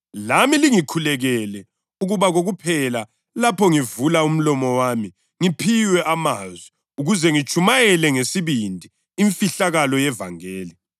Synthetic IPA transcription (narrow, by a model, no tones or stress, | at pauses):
lamiliŋikʰulɛɣɛlɛ | uɣuβaɣoɣupʰɛla | lapʰɔŋivulaum̩lɔmɔwami | ŋipʰiwɛʔamazwɛ | uɣuzɛŋit͡ʃʼʰumajɛlɛŋesiβindʱi | iɱfiɬaɣalɔjɛva̰ŋeːli